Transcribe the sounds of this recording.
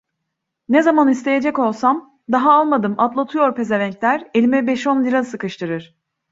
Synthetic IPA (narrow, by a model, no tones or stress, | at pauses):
nɛzamanist̪ʰe̞je̞d͡ʒɛko̞lˠsam | d̪aɦaalˠmad̪ɯmat̪lˠat̪ʰɯjo̞ɾpʰe̞zeɾɛɲclʲæɾe̞lʲimɛbɛʃonlʲiɾasɯkɯʃt̪ʰɯɾɯɾ̥